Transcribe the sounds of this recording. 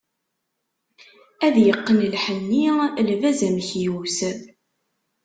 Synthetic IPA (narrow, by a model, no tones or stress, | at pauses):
æðjəqːənəlħənːilvæzæmçjus